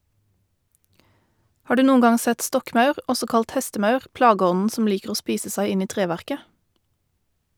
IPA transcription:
ˈhɑː ˈɖʉː ˈnuːn̩ ˈɡɑŋ ˈsɛt ˈstɔkmɑʉʁ ˈɔsɔ ˈkɑlt ˈhɛstəˌmɑʉʁ ˈplɑːˌɡɔnn̩ sm̩ ˈliːkəʁ ˈoː ˈspiːsə ˈsæɪ ˈɪn ˈiː ˈtʁeːˌʋæʁkə

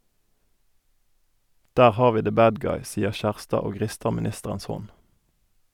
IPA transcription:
ˈdæːʁ ˈhɑːʁ ˈʋiː ðə ˈbæːd ˈɡɑɪ ˈsiːəʁ ˈçæʁstɑː ˈoː ˈʁɪstə mɪˈnɪstəʁəns ˈhɔn

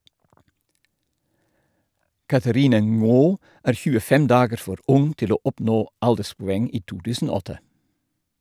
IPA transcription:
ˈkɑθəˌɾɪnə ˈŋoː ˈæːɾ ˈçʉːəˌfɛm ˈdɑːɡəɾ ˈfɔɾ ˈʊŋ ˈtɪl ˈoː ˈɔpˌnoː ˈɑldəspʊˌɛŋ ˈiː ˈtuː ˈtʉːsn̩ ˈoː ˈɔtə

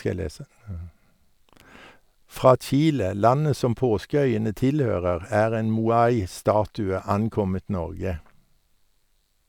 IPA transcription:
ˈfʁɑː ˈt͡ʃiːlə ˈlɑnə ˈsɔm ˈpoːskəˌœʏənə ˈtɪlˌhøːʁəʁ ˈæːʁ ˈeːn muːˈɑɪ ˈstɑːtʉə ˈɑnˌkɔmət ˈnɔʁɡə

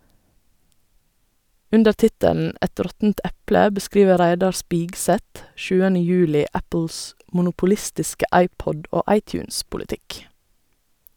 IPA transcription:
ˈʉndə ˈtɪtəln̩ ˈɛt ˈɾɔtn̩t ˈɛplə bəˈskɾiːʋə ˈɾæɪdɑɾ ˈspiːɡˌsɛt ˈʃʉːənə ˈjʉːlɪ ˈæpəls mʊnʊpʊˈlɪstɪskə ˈʔɑɪˌpɔd ˈoː ˈʔɑɪˌtjʉːnspʊlɪˌtɪk

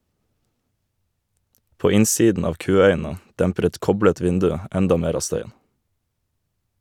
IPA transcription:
ˈpoː ˈɪnˌsiːdn ˈɑːʋ ˈkʉːˌœʏn̩ə ˈdæmpɾ̩ ˈɛt ˈkɔblət ˈʋɪndʉ ˈɛndɑ ˈmeːɾ ˈɑː ˈstœʏən

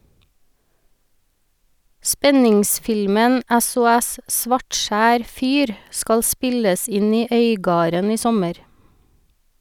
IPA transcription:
ˈspɛnɪŋˌsfɪlmən ɛsʊˈɛs ˈsʋɑʈˌʃæːɾ ˈfyːɾ ˈskɑl ˈspɪləs ˈɪn ˈiː ˈœʏˌɡɑːɾən ˈiː ˈsɔməɾ

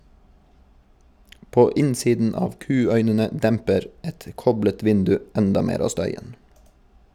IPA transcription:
ˈpoː ˈɪnsiːdn̩ ˈɑːʋ ˈkʉːˌœʏnənə ˈdɛmpəɾ ˈɛt ˈkɔblət ˈʋɪndʉ ˈɛndɑ ˈmeːɾ ˈɑː ˈstœʏən

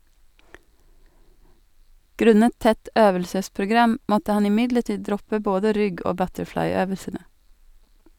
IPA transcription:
ˈɡɾʉnət ˈtɛt ˈøːʋəlsəspɾʊˌɡɾɑm ˈmɔtə ˈhɑn ɪˈmɪdləˌʈiː ˈdɾɔpə ˈboːdə ˈɾʏɡ ˈoː ˈbœtəɾˌflɑɪˌøːʋəsənə

